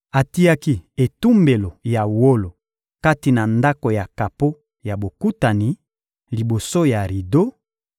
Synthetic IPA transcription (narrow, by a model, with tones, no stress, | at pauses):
a˨ti˦a˦ki˦e˨tu˦mbe˨lo˨ja˨wo˦lo˨ | ka˦ti˨na˨nda˦ko˨ja˨ka˨po˦ | ja˨bo˨ku˦ta˨ni˨ | li˨bo˨so˦ja˨ʁi˨do˦